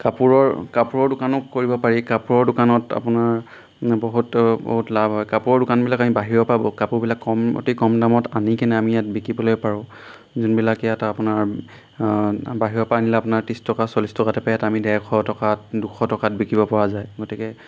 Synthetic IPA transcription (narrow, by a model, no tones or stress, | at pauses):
kapuɹɔɹkapuɹɔɹdʊkanʊkkːoɹibɔpaɹikapuɹɔɹdʊkanɔta̰pʊnaɹ | boɦutbo̰ɦutlabɦɔjkapuɹɔɹdʊkanbilakamibaɦiɹɔpabɔkapʊɹbilakːɔmo̰tikɔmdamɔtanikɛnɛamijat̚bikibɔlojpaɹʊ̃ | zunbilakɛjatapʊnaɹ | baɦiɹɔpanilɛapʊnaɹtistɔkasɔlistɔkatɛpajatamidɛɹkʰɔtɔkatdukʰɔtɔkat̚bikibɔpɔɹazajɡotikɛ